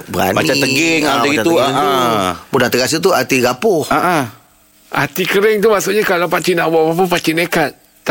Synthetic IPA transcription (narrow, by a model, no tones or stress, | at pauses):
bəɾa̰nmait͡ʃat̪əɡɡɪŋaaɡiat̪uaubudat̪əɡas̬ut̪uat̪iɡapʊhaʔa | a̰t̪ikəɾɪŋt̪umaʔsʊʔɲakalawpat͡ʃinaʔbaʔbap̬uhpat͡ʃinekat̪̚ː